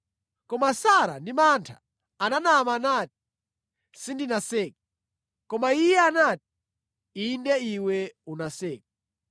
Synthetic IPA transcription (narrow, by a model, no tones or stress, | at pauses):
kɔmasaɾa̰ndimantʰa̰ː | nanamanat̚i̥ | sindinasɛːkɛ | kɔmaijɛanat̚i̥ | indɛiwɛunasɛːk̚ɛ